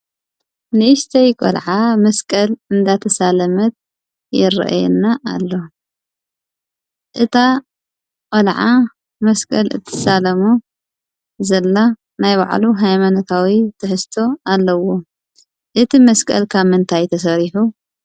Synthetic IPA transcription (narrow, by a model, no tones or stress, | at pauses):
nɨɨst̪ʰɐjkʼo̰lʕamɐskʼɐlɨnd̪at̪ʰɐsalɐmɐt̪̚ | jɛ̰ɾɐ̰ʔa̰jɛ̰nːaʔːlːo̞ | ʔɨt̪ʰa | kʼolʕa | mɐskʼɐ̰lɨ̰t̪ʰːɨsalɐmu | zɐlːa | najβa̰ʕluɦajmanɐt̪ʰawit̪ʰɨħɨst̪ʰo̞alːɐwo | ʔɨt̪ʰimɐskʼɐ̰lkʰaβmɨnt̪ʰajt̪ʰɐs̬ɐɾiħu